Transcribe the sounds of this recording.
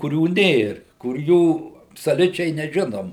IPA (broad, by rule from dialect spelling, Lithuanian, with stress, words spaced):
kʊˈrʲuː ˈnʲeːr kʊr ˈjuː ɐpsoːˈlʲʊt͡ʃʲɛɪ nʲɛˈʒʲɪnoːm